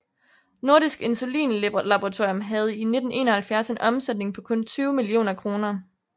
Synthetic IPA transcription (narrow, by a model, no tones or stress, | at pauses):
no̝ɐɾisɡ̥e̝nsulḭːnlebʁlɑ̈b̥oʁɑt͡sʰo̝ɐjomɦæð̞̩ˠine̝d̥n̩ʔe̝̰ːnɐhælfjæɐse̝nʔɒ̽msed̥ne̝ŋpʰɒ̽kʰɔ̽nt͡sʰyːʊmilio̝̰ːnɐkʰʁo̝ːnɐ